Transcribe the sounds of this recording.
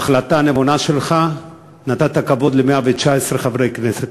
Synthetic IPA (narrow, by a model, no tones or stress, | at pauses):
aχlat̪anevonaʃelχa | nat̪at̪akavo̞d̪lemeavet͡ʃaesʁeχavʁejkneset̪